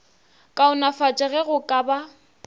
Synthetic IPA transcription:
kʼaʊnafat͡ʃʼɛɣɛɣʊkʼaba

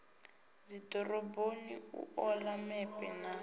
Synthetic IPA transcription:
zidɔrɔboniṵɔlamɛpʼɛna

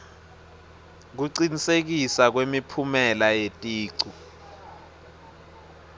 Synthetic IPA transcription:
k̬uǀinisek̬isak̬wemipʰumɛlajetʼiːǀu

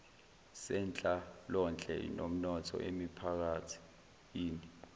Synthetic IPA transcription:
sɛnt͡ɬʼalɔnt͡ɬʼɛ̰nom̩nɔtʰɔ̰ʔḛmipʰak̬atʰi̥ | jiːni

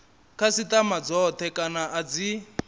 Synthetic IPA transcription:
kʰasitamad͡zɔt̪ʰɛkʼanaʔad͡zi

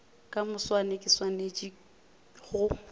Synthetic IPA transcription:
kʼamʊswanekʼɪswanet͡ʃʼi | ɣʊ

